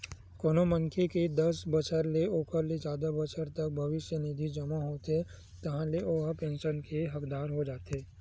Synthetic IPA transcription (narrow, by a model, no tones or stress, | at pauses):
koːnomə̃ŋkʰeked̪ɐsbɐt͡ʃəɾleoːpəɾled͡ʒaːd̪abɐt͡ʃəɾt̪ɐk̚bʱɐʋɪʃjənid̪ʱid͡ʒɐmaɦoːt̪ɦe | t̪ɐɦãleʔoːɦpẽːnʃənkeɦɐkd̪aːɾɦod͡ʒaːt̪ɦeː